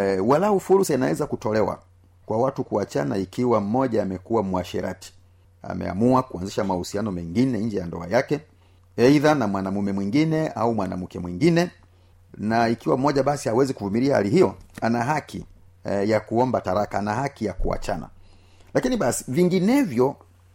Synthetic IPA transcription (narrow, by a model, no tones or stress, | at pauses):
walaufuɾusainawɛzakutɔlɛwa̰ | kwawatukuat͡ʃa̰na̰ikiwam̩mɔʄaːmɛkuwamwaʃɛ̰ɾʔa̰ti̥ | a̰mɛ̰a̰muakuanziʃamahusianɔmɛŋɡinɛɲ̩d͡ʒɛjandɔ̰a̰jakɛ | ɛiðanamwanamumɛmwiŋɡinɛa̰umwana̰m̩kɛmwiŋɡinɛ | naikiwam̩mɔʄaɓasihawɛzikuvumiɾiaha̰lihijɔanaɦakʰḭ | jakuɔmbataɾakanahakijakṵa̰t͡ʃana̰ | lakiniɓasi̥viŋɡinɛvjɔ